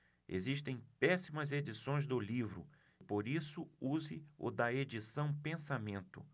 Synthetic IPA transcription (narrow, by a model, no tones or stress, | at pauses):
ḛziʃt̪ẽj̃pɛsimɐzed͡ʒisõj̃zd̪ʊlivɾʊ̰ | poɾisʊuzɪʊ̰d̪ɐed͡ʒisɐ̃w̃pẽsamẽnt̪ʊ̰